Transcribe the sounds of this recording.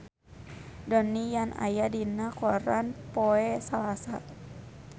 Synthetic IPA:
dɔnijanʔa̰jadinakɔɾanpoɛsalasa

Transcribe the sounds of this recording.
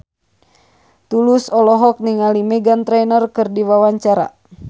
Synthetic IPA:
t̪ulusɔlɔɦɔk̚niŋalimɛɡant̪ɾɛnərkɨrdiwawaɲt͡ʃaɾa̰

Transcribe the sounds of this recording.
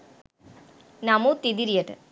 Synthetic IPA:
namut̪id̪iɾijəʈ̪

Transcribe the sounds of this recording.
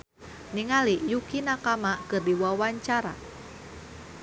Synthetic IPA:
niŋalijukinakamakɨrdiwawaɲt͡ʃaɾa̰

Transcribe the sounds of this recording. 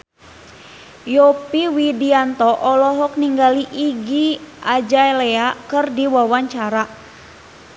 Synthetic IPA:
jɔpiwidiant̪ɔʔɔlɔɦɔk̚niŋɡaliʔːɡiʔad͡ʒaelɛakɨrdiwawaɲt͡ʃaɾa

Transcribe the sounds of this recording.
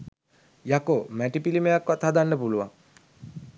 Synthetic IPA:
jakomæʈipilimejakːʋat̪had̪anːəpuluʋa̰ŋ

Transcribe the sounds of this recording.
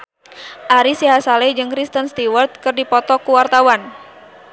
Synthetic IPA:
ʔaɾisiɦasalɛd͡ʒɨŋkɾist̪ənst̪iwərt̪̚kɨrdipɔt̪ɔkuwart̪awan

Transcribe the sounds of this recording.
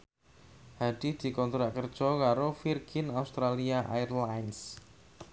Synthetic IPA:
haɖ̥id̪̥i̤kɔnt̪ɾaʔkərd̥ʒ̥ɔkaɾofirɡ̥inaust̪ɾaliaʔa̰jrlajns

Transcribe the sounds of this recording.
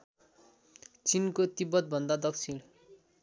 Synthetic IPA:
t͡sinkot̪ibʌt̪̚bʱʌnd̪ad̪ʌkt͡sʰiɽ̃

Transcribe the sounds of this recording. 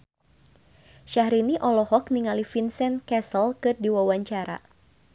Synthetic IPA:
ʃahɾiniʔɔlɔhɔk̚niŋalifinsɛnkɛsəlkɨrdiwawaɲt͡ʃaɾa̰

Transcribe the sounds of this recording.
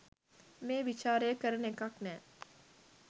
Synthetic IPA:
mẽːʋɪt͡ʃaːɾekəɾnekaknɛ̃ː

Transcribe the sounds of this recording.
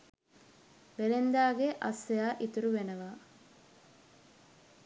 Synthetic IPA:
belend̪aːɡeʔa̰sːejaːʔit̪uɾuʋenəʋa

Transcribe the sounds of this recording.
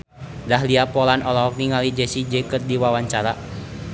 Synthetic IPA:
daɦliapɔlanɔlɔɦɔk̚niŋalid͡ʒɛsid͡ʒɛkərdiwawaɲt͡ʃaɾa

